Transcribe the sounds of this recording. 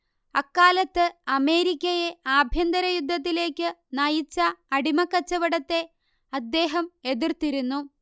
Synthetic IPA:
ɐkːaːlɐt̪ːɨɐme̞ːɾikʲːɐje̞aːbʱjɐnd̪ɐɾɐjud̪ʱːɐt̪̬ːile̞ːkʲːɨnɐjit͡ɕːɐɐɽimɐkːɐt͡ɕːɐʋɐɽɐt̪ːe̞ | ɐd̪ːe̞ːɦɐme̞ðirt̪iɾunːu

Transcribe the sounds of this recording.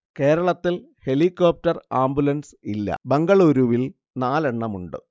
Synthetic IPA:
ke̞ːɾɐɭɐt̪ːil | he̞likːo̞ːp̚tɐraːmbulɐnsilːɐ̰beŋɡɐɭuːɾuʋil | naːle̞ɳːɐmuɳɖɨ

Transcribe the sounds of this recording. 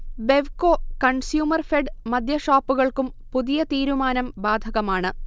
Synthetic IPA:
be̞ʋkoːkɐɳsjuːmɐrfeɖmɐd̪ʱjɐʂaːpːuɣɐɭkumpuðijɐt̪iːɾumaːnɐmbaːd̪ʱɐɣɐmaːɳɨ

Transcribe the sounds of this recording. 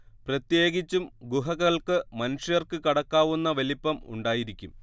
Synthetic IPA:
prɐt̪je̞ːɡit͡ɕːumɡuɦɐɣɐɭkɨmɐnuʂjɐrkɨkɐɽɐkːaːʋunːɐʋelipːɐmṵɳɖaːjiɾikʲːum

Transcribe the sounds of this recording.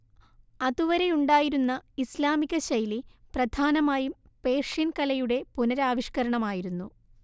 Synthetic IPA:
ɐðuʋɐɾe̞juɳɖaːjiɾunːɐislaːmiɣɐɕɐjliprɐd̪ʱaːnɐmaːjum | pe̞ːrʂinkɐlɐjuɽe̞punɐɾaːʋiʂkɐɾɐɳɐmaːjiɾunːu

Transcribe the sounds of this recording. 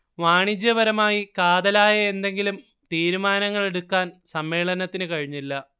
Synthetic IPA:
ʋaːɳid͡ʑjɐʋɐɾɐmaːjikaːd̪ɐlaːjɐe̞nd̪e̞ŋɡilum | t̪iːɾumaːnɐŋːɐɭe̞ɽukːaːnsɐmːe̞ːɭɐnɐt̪ːinɨkɐɻiɲːilːɐ

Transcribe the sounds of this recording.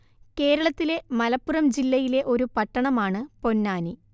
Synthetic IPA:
ke̞ːɾɐɭɐt̪ːile̞mɐlɐpːurɐmd͡ʑilːɐjile̞ʔo̞ɾupɐʈːɐɳɐmaːɳɨpo̞nːaːni

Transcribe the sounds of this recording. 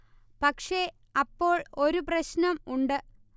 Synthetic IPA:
pɐkʂe̞ | ɐpːo̞ːɭo̞ɾuprɐɕnɐmuɳɖɨ

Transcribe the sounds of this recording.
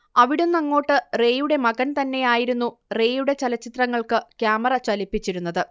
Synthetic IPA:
ɐʋiɽumnɐŋːo̞ːʈːɨre̞ːjuɽe̞mɐɡɐnt̪ɐnːe̞jaːjiɾunːure̞ːjuɽe̞t͡ɕɐlɐt͡ɕːit̪rɐŋːɐɭkɨkjaːmɐrɐt͡ɕɐlipːit͡ɕːiɾunːɐðɨ

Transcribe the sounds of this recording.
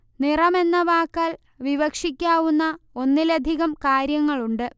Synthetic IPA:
nirɐme̞nːɐʋaːkːaːl | ʋiʋɐkʂikʲːaːʋunːɐo̞nːilɐd̪ʱiɣɐmkaːɾjɐŋːɐɭuɳɖɨ

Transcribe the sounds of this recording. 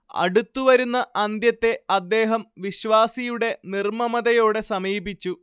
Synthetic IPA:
ɐ̰ɽut̪ːuʋɐɾunːɐɐnd̪jɐt̪ːe̞ɐd̪ːe̞ːɦɐmʋiɕʋaːsijuɽe̞nirmɐmɐðɐjo̞ːɽe̞sɐmiːbit͡ɕːu

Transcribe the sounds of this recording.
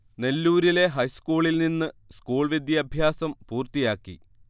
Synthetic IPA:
ne̞lːuːɾile̞ɦɐjskuːɭilninːɨskuːɭʋid̪ʱjɐɐbʱjaːsɐmpuːrt̪ijaːkːḭ

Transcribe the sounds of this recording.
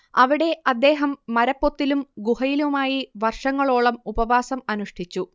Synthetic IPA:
ɐʋiɽe̞ɐd̪ːe̞ːɦɐmːɐɾɐpːot̪ːilumɡuɦɐjilumaːjiʋɐrʂɐŋːɐɭoːɭɐmubɐʋaːsɐmɐnuʂʈʰit͡ɕːu

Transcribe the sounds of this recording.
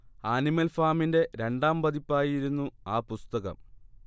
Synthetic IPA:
aːnimɐlfaːminde̞ɾe̞ɳɖaːmbɐðipːaːjiɾunːuaːpust̪ɐɣɐ̰m

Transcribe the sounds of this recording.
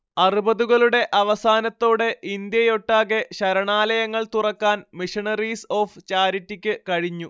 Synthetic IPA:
ɐrubɐðuɣɐɭuɽe̞ʔɐʋɐsaːnɐt̪ːo̞ːɽe̞ʔind̪jɐjo̞ʈːaːɣe̞ɕɐɾɐɳaːlɐjɐŋːɐɭt̪urɐkːaːnmiʂɐɳɐriso̞ːft͡ɕaːɾitːikʲːɨkɐɻiɲːu

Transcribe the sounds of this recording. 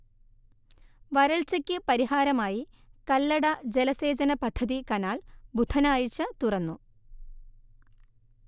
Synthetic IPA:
ʋɐɾɐɭt͡ɕɐkʲːɨpɐɾiɦaːɾɐmaːji | kɐlːɐɽɐd͡ʑelɐse̞ːd͡ʑɐnɐpɐd̪ʱːɐðikɐnaːlbʱud̪ʱʰɐnaːjit͡ɕːɐt̪urɐnːu

